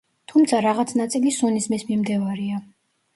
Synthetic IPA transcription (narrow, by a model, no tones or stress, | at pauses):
t̪ʰumt̪sʰaɾaʁat̪sʰnat̪sʼilisunismismimd̪ɛvaɾia